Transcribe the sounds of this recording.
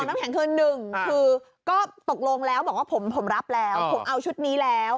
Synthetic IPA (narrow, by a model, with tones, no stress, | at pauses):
ɔ˨˩ŋnaː˦˥mkʰɛː˨˩˦nkʰɤː˧nːɯ˨˩ŋkʰɯː˧ | kɔː˥˩t̪o˨˩k̚lo˧ŋlɛː˦˥wbɔː˨˩k̚waː˥˩pʰo˩˦mpʰo˨˩˦mɾa˦˥p̚lɛː˦˥wpʰo˨˩˦mʔa˧wt͡ɕʰu˦˥t̪̚niː˦˥lɛː˦˥w